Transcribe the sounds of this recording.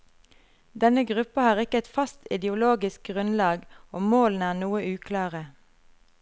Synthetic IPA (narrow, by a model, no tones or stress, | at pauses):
d̪ɛnəɡʁʉpəhɑːʁɪkəɛt̪fɑst̪ɪd̪ɪʊloːɡɪsk̚ɡʁʉnlɑːɡoːmoːln̩æːʁnuːəʔʉːkʰlɑːʁə